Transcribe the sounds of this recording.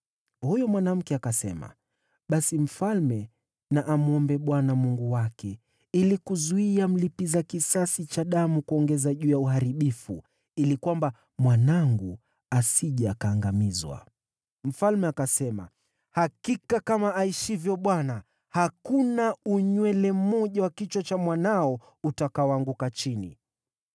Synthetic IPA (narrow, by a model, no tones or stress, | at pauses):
hujɔmwanam̩kɛakasɛ̰ma̰ | ɓasim̩falmɛ | naʔamuɔmbɛɓwanamuŋɡuwakɛ | ilikuzuiam̩lipizakisasit͡ʃaɗamukuɔŋɡɛzaʄuːjauhaɾiɓifu | ilikwamba | mwanaŋɡu | asiʄakaːŋɡamizwa̰ | m̩falmɛakasɛma̰ | hakikakamaaiʃivjɔɓwana | hakunauɲwɛlɛmɔʄawakit͡ʃwat͡ʃamwanaɔ | utakawaŋɡukat͡ʃinḭ